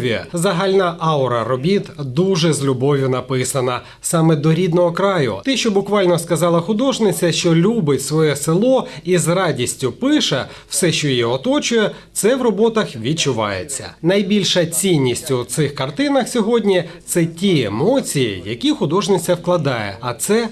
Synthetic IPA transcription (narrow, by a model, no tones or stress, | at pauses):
ʋʲḭzɐɦɑlʲnɐʔɑʊɾɐɾɔbʲit̪d̪uʒɛzʲlʲʊbɔʋʲjʊnɐpɪsɐnɐ | sɑmɛd̪ɔɾʲid̪nɔɦɔkɾɑjʊ̰t̪ɛʃt͡ʃɔbʊkʋɑlʲnɔskɐzɑlˠɐxʊd̪ɔʒnɪt͡sʲːɐʃt͡ʃɔlʲubɪtʲsʋɔjɛsɪlˠɔizrɑdʲisʲtʲʊpɪʃɛ | w̥sɛʃt͡ʃɔjɛɔt̪ɔt͡ʃʊjɛt̪sɛʋrɔbɔt̪ɐxʋʲid̚t͡ʃʊʋɑ̰jḛt͡sʲːɐ̰nɐjbʲilʲʃɐt͡sʲinʲːisʲtʲʊt̪sɪxkɐrt̪ɪnɐxsʲɔɦɔdʲnʲit̪sɛtʲiḛmɔt͡sʲijḭjɐkʲixʊd̪ɔʒnɪt͡sʲːɐwklˠɐd̪ɑjɛ̰ɐt̪sɛ